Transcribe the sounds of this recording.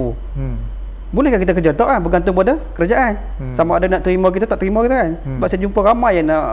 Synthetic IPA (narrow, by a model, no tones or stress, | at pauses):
u | bolɛhkakit̪akəd͡ʒat̪ɔʔkanbəɡant̪ʊŋkəpadakəɾad͡ʒaʔan | samaːdanaʔt̪əɾimak̬it̪at̪aʔt̪əɾimɔkit̪akansəbap̚sajad͡ʒumpaɾamajana